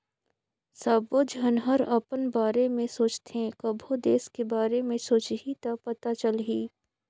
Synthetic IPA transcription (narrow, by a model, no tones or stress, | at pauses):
saːbod͡ʒɦənɦəɾɐpənbaːɾemẽsoːt͡ʃt̪eɦẽkəbʱod̪eːskebaːɾemẽsoːt͡ʃɦit̪ɐpɐt̪at͡ʃəlɦiː